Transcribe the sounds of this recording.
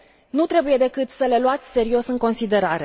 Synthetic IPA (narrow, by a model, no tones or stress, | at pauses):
nut̪ɾe̞buje̞d̪e̞kɨt̪səle̞luat̪sʲse̞ɾio̞sɨŋko̞nsid̪e̞ɾaɾe̞